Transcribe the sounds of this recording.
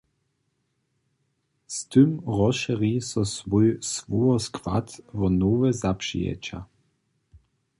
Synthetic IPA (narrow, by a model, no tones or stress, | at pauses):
st̪ɨmʁɔʃɛʁisɔsvɔjsvɔɔskʰva̰t̪vɔnoːvɛzapʂḭjɛ̰t͡ʃa̰